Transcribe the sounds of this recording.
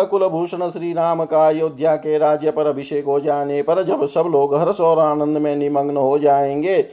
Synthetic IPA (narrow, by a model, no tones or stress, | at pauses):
kʊlbʱuːʃɳ̃əʃɾiːɾaːmkaːjoːd̪ʱjaːkeɾaːd͡ʒjəpɐɾɐbʱɪʃeːkɦod͡ʒaːnepɐɾd͡ʒɐbsɐbloːɡɦɐɾsɔːɾaːnə̃nd̪mẽnɪməŋɡnəɦod͡ʒaːẽːŋɡeː